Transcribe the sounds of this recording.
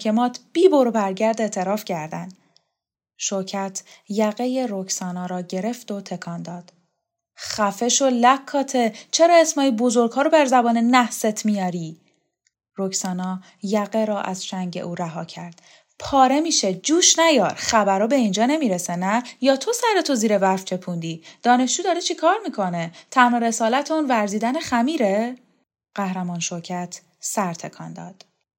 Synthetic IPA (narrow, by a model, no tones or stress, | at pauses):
kʰe̞mɒːt̪ʰb̥iːboɾobæɾɟæɾd̪e̞ːt̪ʰe̞ɾɒːfcʰæɾd̪æn | ʃocʰæt̪ʰjæɣeje̞ɾocʰsɒːnɒːɾɒːɟe̞ɾe̞ft̪o̞t̪ʰe̞kʰɒːnd̪ɒːd̪̥ | χæfe̞ʃo̞lækʰːɒːt̪ʰe̞t͡ʃʰe̞ɾɒːe̞smɒːjibo̞zo̞ɾɡ̥hɒːɾobæɾzæbɒːnenæhse̞t̪ʰmijɒːɾiː | rocʰsɒːnɒː | jæɣeɾɒːʔæz̥ʃæɲɟe̞̰ʔuːɾæɦɒːcʰæɾd̪̥ | pʰɒːɾe̞miːʃed͡ʒuːʃnæjɒːɾχæbæɾɒːbe̞ind͡ʒɒːne̞miːɾesenæjɒːt̪ʰo̞sæɾe̞t̪ʰoziːɾevæɾft͡ʃʰe̞pʰund̪iːd̪̥ɒːne̞ʃd͡ʒuːd̪ɒːɾet͡ʃʰikʰɒːɾmiːkʰo̞net̪ʰænhoɾe̞sɒːlæt̪ʰeuːnvæɾziːd̪æneχæmiːɾe | ɢ̥æhɾæmɒːnʃo̞ɾcʰæt̪ʰ | sæɾt̪ʰe̞kʰɒ̰nd̪ɒ̰ːd̪̥